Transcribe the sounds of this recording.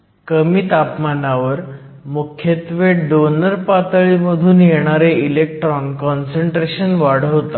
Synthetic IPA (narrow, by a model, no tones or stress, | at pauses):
kəmiːt̪apmanaʋəɾ | mukʰjet̪ʋeɖonəɾpat̪ɭiməd̪ʱuːnjeɽ̃aɾeilek̚ʈɾɔnkɔnseɳʈɾeɕənʋaɽ̤əʋt̪a